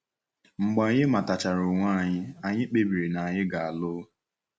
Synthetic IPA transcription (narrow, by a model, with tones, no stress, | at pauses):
ŋ͡m̩˨ɡ͡ba˨ɲɪ˦ma˨ta˨t͡ʃa˨ɾo˨ŋʷaː˦˨ɲɪ˦a˨ɲɪ˦k͡pe˦bi˨ɾe˨na˨ɲɪ˦ɡa˨a˨lʊ˦